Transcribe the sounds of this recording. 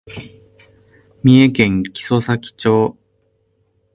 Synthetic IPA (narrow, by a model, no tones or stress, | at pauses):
mʲiekẽ̞ŋkʲi̥so̞sakʲi̥t͡ɕo̞ː